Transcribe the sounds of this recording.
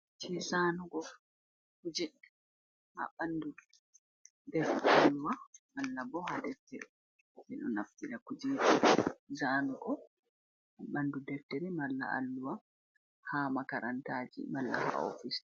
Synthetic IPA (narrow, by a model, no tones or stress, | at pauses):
t͡ʃizanuɡɔ | kud͡ʒɛ | ha̰ɓandu | dɛɾtɛalːuwamalːabɔhadɛɾtːɛɗɛ | mɛɗɔ̰naftiɾakud͡ʒidizaːnuɡɔ | haɓandudɛftɛɾɛmalːa̰ʔa̰lːuwa | hamakaɾantaːd͡ʒḭmalːa̰ha̰o̰fis